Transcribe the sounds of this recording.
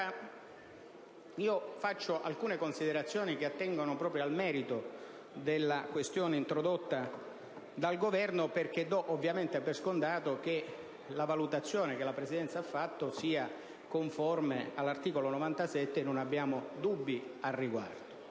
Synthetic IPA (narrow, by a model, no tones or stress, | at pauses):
a | iːofat͡ʃːoʔalkuːnekonsid̪eɾat̪sːjoːnikeat̪ːɛŋɡonopɾɔːpɾjoalmɛːɾit̪o | d̪elːakwest̪joːneint̪ɾod̪ot̪ːa | d̪alɡovɛrnoperk̟ed̪ɔʔovːjament̪eavːerskond̪aːt̪ok̟e | lavalut̪at̪sːjoːnek̟elapɾesid̪ɛnt̪saafːat̪ːosiːa | koɱformealːart̪iːkolonovant̪asɛt̪ːenːonabːjaːmod̪ubːiarːiɡwa̰rd̪o